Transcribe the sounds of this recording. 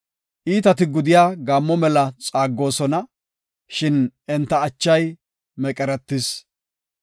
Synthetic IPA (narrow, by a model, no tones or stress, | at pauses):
ʔiːt̪ɐt̪ɪɡʊd̪ɪjaːɡaːmːɔmɛlɐt͡sʼaːɡːo̞ːsɔnɐ | ʃɪnɛnt̪ːɐːt͡ʃːɐj | mɛkʼɛɾɛt̪ːɪs